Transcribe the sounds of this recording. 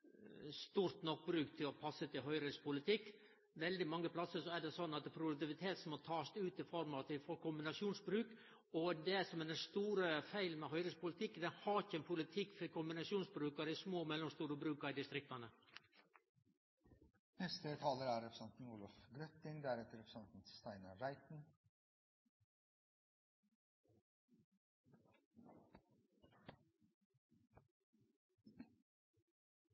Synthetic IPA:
st̪uːɾt̪nɔk̚ːbɾʉːkt̪ʰɪlɔpʰɑsːət̪ɪlɦœʏɾɪspʰʊlɪt̪ʰɪkː | ʋɛld̪ɪmɑŋːəpʰlɑsəʂɔæɖɛsɔnːɑt̪pʰɾʊd̪ʉk̚t̪ɪʋɪt̪ʰeːt̪sɔmɔt̪ʰɑːst̪ʉːt̪ɪfɔɾmɑt̪ʋɪfɔɾkʊmbɪnɑʂjuːnsbɾʉːk | ɔd̪ɛsɔmɛɖ̪ɛnst̪uːɾəfæɪlmɛɦœʏɾəspʊlɪt̪ʰɪkːd̪ɛhɑɾɪçːəɛnpʰʊlɪt̪ʰɪkːfkʰʊmbɪnɑʂuːnsbɾʉːkɑɾɪsmoːmɛlːɔmst̪uːɾəbɾʉːkɑɾɪd̪ɪst̪ɾɪk̚t̪ɑnə | nɛst̪ət̪ʰɑːləɾæːɾɛpʰɾəsɛnt̪n̩uːlɔfɡɾœt̪ɪŋd̪æːɾɛt̪əɾɛpɾsɛnt̪n̩st̪æɪnɑɾæɪt̪n̩

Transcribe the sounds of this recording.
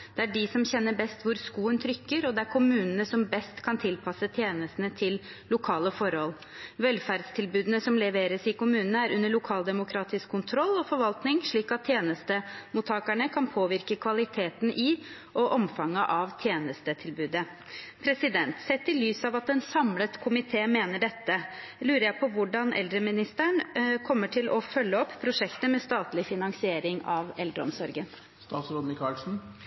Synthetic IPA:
d̪̥ɛæɖɪsɔmçɛnːəbɛst̪ʋʊɾskuːənt̪ʰɾʏkːəɾɔd̪ɛæɾkʰʊmʉːnənəsɔmbɛst̪kʰɑnt̪ʰɪlpʰɑsət̪ʰjeːnəst̪ənət̪ʰɪl | lʊkʰɑːləfɔɾhɔl | ʋɛlfæɾɖst̪ʰɪlbʉːd̪ənəsɔmlɛʋeːɾəsɪkʊmʉːnənəæɾʔʉnːəɭʊkʰɑːld̪ɛmʊkʰɾɑːt̪ɪskʰːʊnt̪ʰɾɔlːɔfɔɾʋɑlt̪nɪŋʂɭiːkɑt̪ʰːjeːnəst̪əmuːt̪ʰɑːkæɳəkʰɑnpʰoːʋɪɾkəkʰʋɑlɪt̪ʰeːt̪n̩ʔɪ | ʔɔʔɔmfɑŋːəʔɑʋt̪ʰjeːnəst̪ət̪ʰɪlbʉːd̪ə | pʰɾɛsɪd̪ɛnt̪sɛt̪ːɪlyːsɑʋɑt̪ɛnsɑmlət̪kʰʊmɪt̪ʰeːmeːnəɖɛt̪ːə | lʉːɾəjæɪpʰɔʋʊɖɑnʔɛ̰ld̪ɾəmɪnɪst̪æɳkʰɔmːəʈʰɪlʔɔfœlːəɔpːpʰːɾʊʂɛkt̪əmɛst̪ɑːt̪lɪfɪnɑŋsɪeːɾɪŋɑʋɛld̪ɾəɔ̰msɔɾɡən | st̪ɑːt̪sɾoːd̪nɪkʰɑːlsn̩

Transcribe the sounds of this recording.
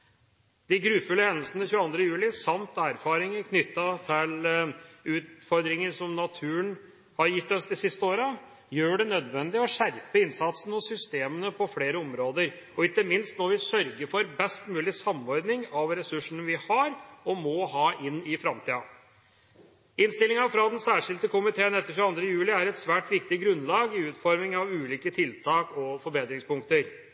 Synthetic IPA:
d̪̥ɪɡɾʉːfʉlːəhɛnːəlsənəçʉːəɑnd̪ɾəjʉːlɪsɑmt̪æːɾfɑːɾɪŋəkʰnʏt̪ːɑt̪ʰɪl | ʉːt̪fɔɾd̪ɾɪŋənsɔmnɑt̪ʰʉːən | hɑɾjɪt̪ːɔsd̪ɪsɪst̪əoːɾə | jøːɖɛnœd̪ʋɛnd̪ɪɔɕæɾpəɪnsɑt̪sənɔsʏst̪eːmənəpʰɔfɽeːɾəɔmɾoːd̪əɾɔɪkt̪ːəmɪnst̪nɔɾʋɪsœɾɡəɾfɔɾbɛst̪mʉːlɪsɑmɔɾd̪nɪŋɑʋɾɛsʉʂəɳəʋɪhɑɾɔmɔhɑːʔɪnːɪfɾɑmt̪ʰiːɑ | ɪnst̪ɪlɪŋɑfɾɑd̪ɛnsæːʂɪlt̪əkʊmɪt̪ʰeːənɛt̪ːəçʉɑnd̪ɾəjʉːlɪæɾɛt̪sʋæːʈʋɪkt̪ɪɡɾʉnlɑːɡɪʉːt̪fɔɾmɪŋɑʋʉːliːkət̪ʰɪlt̪ʰɑːkɔfɔɾbeːd̪ɾɪŋspʊŋkt̪əɾ

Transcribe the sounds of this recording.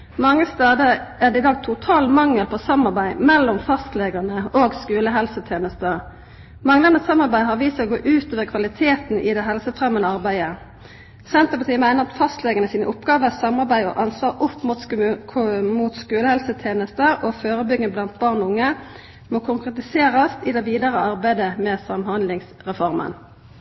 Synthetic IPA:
mɑŋːəst̪ɑːd̪əæd̪ɛɪd̪ɑːɡ̚t̪ʰʊt̪ʰɑːlmɑŋːəlpʰɔsɑmɑʁbæɪmɛlːɔmfɑst̪leːɡəʁnəoːɡskʉːləɦɛlsət̪ʰjeːnəst̪ə | mɑŋlɑnəsɑmɑʁbæɪɦɑʁʋiːsəoɡoːʔʉːt̪oːʋəʁkʰʋɑlɪt̪ʰeːt̪n̩ʔɪ̰d̪ɛɦɛlsəfʁɛmːənəɑʁbæɪə | sɛnt̪əʁpɑt̪ʰiːəmæɪnəʁɑt̪fɑst̪lɛɡəʁnəsiːnəʔʊpɡɑːʋəsɑmɑʁbæɪɔ̰ʔɑnsʋɑːʁʊpːmut̪ʰ | muːt̪skʉːləhɛlsət̪ʰeːnəst̪əoføːʁəbʏɡənblɑnt̪̚bɑʁnɔʊŋːə | mɔkʰʊŋkʁɛt̪ɪseːʁɑst̪ɪd̪ɛʋiːd̪əʁəɑʁbæɪd̪əmɛsɑmhɑnd̪lɪŋsʁɛfɔʁmə̰n

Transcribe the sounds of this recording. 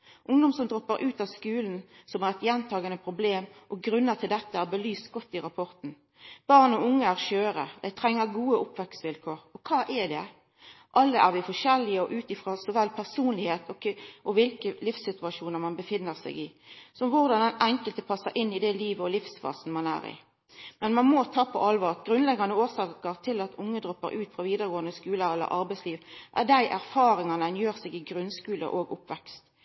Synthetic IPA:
ʔʊŋd̪ɔmsɔmd̪ʁɔpːəɾʔʉːt̪ɑʋskʉːln̩sɔmæʁɛt̪jɛnt̪ʰɑːɡənəpʰɾʊbleːmʔɔɡɾʉnːət̪ʰɪld̪ɛt̪ːəæʁbəlyːsɡɔt̪ːɪɾɑpʰɔʁt̪n̩ | b̥ɑʁnɔʊŋːəæʁʃøːɾə̰d̪æɪt̪ʰɾɛŋːəɾɡuːəʊpʋɛksʋɪlkʰoːʁɔkʰɑːʔɛd̪ɛ | ʔɑlːəʔæʁʋɪfɔʃɛlːɪəɔʔʉːt̪ɪfʁoːsɔʋɛlːpʰæʁsuːnlɪheːt̪ɔʔɔʋɪlkəlɪfsːɪt̪ʉɑʂuːnəʁmɑnbəfɪnːəʁsæ̰ɪɡɪsɔmʋʊʁd̪ɑnd̪ɛnɛŋkəlt̪əpʰɑsːəɾʔɪnːɪd̪ɛliːʋəɔlɪfsfɑ̰ːsn̩mɑnæ̰ːɾɪ̰ | mɛnmɑnmɔt̪ʰɑːpʰɔ̰ʔɑlʋɑːʁɡʁʉnlɛɡɑnəoːsɑːkəʁt̪ʰɪlɑt̪ʊŋːəd̪ʁɔpːə̰ɾʉːt̪fʁɑʋiːd̪əʁəɡoːənd̪əskʉːləɾɛlːə̰ɾʔɑɾbæɪsliːʋʔæ̰ʁd̪æɪʔæɾfɑːɾɪŋɑnənjøːʁsɛɡɪɡɾʉnskʉːlə̰ʔoːɡʊpʋɛkst̪

